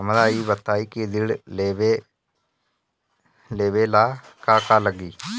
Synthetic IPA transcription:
mɾaːiːbət̪aːiːkid̪ɪɽleːʋeː | leːʋeːlaːkaːkaːləɡiː

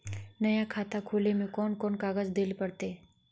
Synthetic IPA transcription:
nɐjakʰaːt̪akʰoːlemẽkɔːnkɔːnkaːɡəd͡ʒd̪eːlpɐɽt̪e

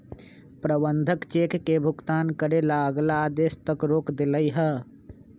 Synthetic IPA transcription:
pɾəbənd̪ʱəkt͡ʃeːkːebʱʊɡt̪aːnkəɾelaɡlaːd̪eːʃt̪əkɾoːkd̪ɪləiɦɛ

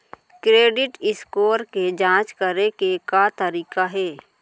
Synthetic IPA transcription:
kɾeːɖɪʈɪskoːɾked͡ʒãːt͡ʃkəɾekekat̪əɾiːkaɦɛː

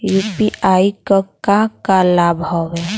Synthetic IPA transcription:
juːpiʔaːikɔkãkalabɦowe

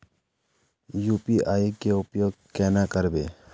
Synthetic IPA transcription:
juːpiʔaːikeʊpjoːɡ̚kɛːnakəɾbeː

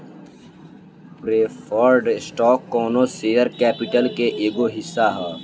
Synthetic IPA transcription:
pɾeːpʰəɾɖsʈɔːkːɔːnoseːəɾkɛːpɪʈəlkeʔeːɡoɦɪsːaɦɛː

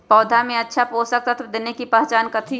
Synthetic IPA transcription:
pɔːd̪ʱamẽɐtːʃʰapoːsək̚t̪at̪ʰd̪eːnekipaːt͡ʃaːnkət̪ʰi

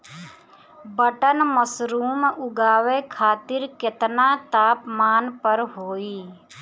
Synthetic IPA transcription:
bəʈənməsɾuːmʊɡaːʋekʰaːt̪ɪɾket̪nat̪aːpmaːnpəɾɦoːiː

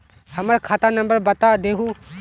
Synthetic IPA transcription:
həməɾkʰaːt̪anə̃mbəɾbət̪ad̪eɦu

